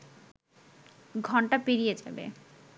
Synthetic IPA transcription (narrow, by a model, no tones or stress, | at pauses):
ɡʱɔɳʈapiɾijed͡ʑa̰bḛ